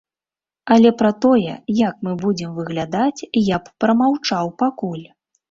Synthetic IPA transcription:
ɐlʲɛpɾɐt̪ɔjɛ̰jak̚mɨbud͡zʲɛmvɨɣlʲad̪at͡sʲjapːɾɐmawt͡ʂawpakulʲ

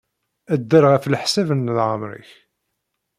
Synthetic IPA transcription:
æd̪ːəɾʁəflħsævənːlʕəmɾə̰ç

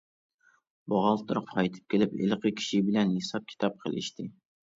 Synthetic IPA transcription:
bɑʁɑlˠt̪ʰɨɾʊqqʰɑjt̪ʰɨ̥p̚kʲʰelɪpḭlqəkʲʰi̥ʃibɪlɛnhesɑp̚kʲʰi̥t̪ʰɑp̚qʰə̰lˠʔɪ̰ʃt̪ʰɪ

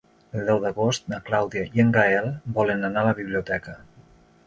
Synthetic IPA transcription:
əlˠd̪ɛwðəɣost̪̚naklawðiaiəŋɡaɛlˠbɔlənanaləβiβliut̪ɛkə

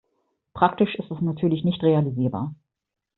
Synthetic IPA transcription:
pʁ̥aktɪʃɪstɛsnatʰyːɐlɪçnɪçtʁ̥ealiziːɐba̰ːɐ

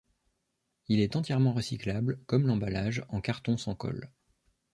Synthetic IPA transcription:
ilɛt̪ɑ̃t̪jɛʁmɑ̃ʁəsiklablkɔmlɑ̃balaʒɑ̃kaʁt̪ɔ̃sɑ̃kɔ̰l

